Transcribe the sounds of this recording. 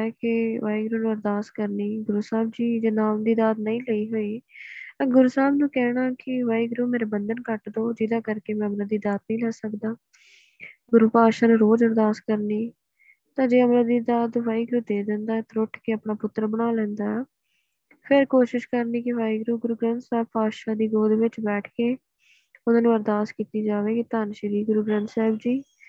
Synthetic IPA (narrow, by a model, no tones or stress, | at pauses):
ɛːkɪʋaːiːɡɾuːnũːəɾd̪aːskəɾniːɡʊɾusaːb̚d͡ʒiːd͡ʒnaːmd̪iːd̪aːd̪nəĩːləiːɦoːiːaːɡʊɾusaːbnũːkɛːɽaːkɪʋaːiːɡɾuːmeːɾeːbənd̪ənkəʈd̪oːd͡ʒɪd̪ãːkəɾkeːmɛ̃əmɾəd̪iːd̪aːd̪nĩːlɛːsəkd̪aː | ɡʊɾupaːʃənɾoːd͡ʒəɾd̪aːskəɾniː | t̪ãːd͡ʒeːəmɾad̪iːd̪aːd̪ʋaːiːɡɾuːd̪eːd̪ɛ̃ːnd̪aːɛt̪ɾʊʈʰkeəpɳaːpʊt̪ːɾbəɽaːlɛ̃ːnd̪aːɛː | pʰɪɾkoːʃɪʃkəɾniːkɪʋaːiːɡɾuːɡʊɾuːɡɾə̃nt̪sɛːb̚paːʃaːd̪iːɡoːd̪ʋɪt͡ʃbɛːʈʰkeː | ʊnãːnẽːbəɾd̪aːskiːt̪iːd͡ʒaːʋeːkit̪aːnʃəɾiːɡʊɾuːɡɾə̃nt̪sɛːbd͡ʒiː